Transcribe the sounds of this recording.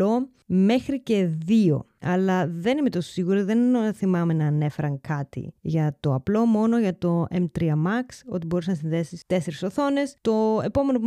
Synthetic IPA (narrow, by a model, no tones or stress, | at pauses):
o̞ | me̞xɾice̞ðio̞̰ | ɐlɐðe̞nimet̪o̞ssiɣuɾiðe̞nθimɐme̞nɐːne̞fe̞ɾɐŋkɐt̪ḭʝɐt̪o̞ɐplo̞mo̞no̞ʝɐt̪o̞emt̪ɾiɐmɐkso̞t̪ibo̞ɾis̬nɐs̬inðe̞sist̪e̞seɾisoθo̞ne̞st̪o̞e̞po̞me̞nopu